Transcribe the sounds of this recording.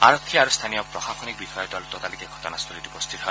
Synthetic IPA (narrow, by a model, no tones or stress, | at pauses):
a̰ɹɔkʰːiaɹust̪ʰanijɔpɹɔxaxɔnik̚bixɔjɔtalut̪ɔtalikɛɡʱɔ̥tɔnast̪ʰɔlitupɔst̪ʰit̪ɦɔj